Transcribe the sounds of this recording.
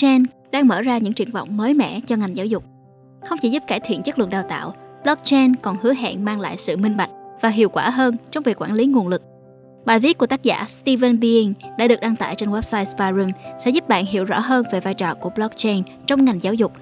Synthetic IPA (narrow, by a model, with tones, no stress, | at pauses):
t͡ɕɛ˧n | ɗaː˧ŋməː˧˩zaː˧ɲɨ̰˧˥ŋt͡ɕɨ˧˩əŋvɔ̰˧˨wŋ͡mməː˨˦jmɛ̰˧˥t͡ɕɔ˧ŋa˨˩jŋ̟zaː˨˦wzʊ˨˩k͡p̚ | xə˧wŋ͡mt͡ɕi˧˩zu˦˥p̚kaː˧˩jt̪ʰḭ˧˨ənt͡ɕə˦˥klɨ̰˧˨ŋ̚ɗaː˨˩wt̪a̰ː˧˨wblɔ˦˥k̚t͡ɕɛ˧nkɔ˨˩nhɨ˨˦əɦɛ̰ː˧˨nmaː˧ŋla̰ː˧˨jsɨ̰˧˨mï˧ŋ̟ɓa˨˩jk̟̚vaː˨˩ɦḭ˧˨əwkwaː˧˩ɦəː˧nt͡ɕɔ˧wŋ͡mvi˨˩əkwaː˧˩nli˨˦ŋu˨˩ənlɨ˨˩k̚ | ɓaː˨˩jvi˦˥t̚ku˧˩ət̪aː˦˥k̚za̰ː˧˩st̪i˧vɛ˧nɓi˧i˧ŋɗa̰ː˧˥ɨ˨˩ək̚ɗaː˧ŋt̪a̰ː˧˨jt͡ɕe˧nwɛ˦˥p̚saː˧jspaː˧zi˧msɛ̰˧˥zu˦˥p̚ɓa̰ː˧˨nɦḭ˧˨əwzɔ̰˧˥ɦəː˧nve˨˩vaː˧jt͡ɕɔ˨˩ku˧˩əblɔ˦˥k̚t͡ɕɛ˧n | t͡ɕɔ˧wŋ͡mŋa˨˩jŋ̟zaː˨˦wzʊ˨˩k͡p̚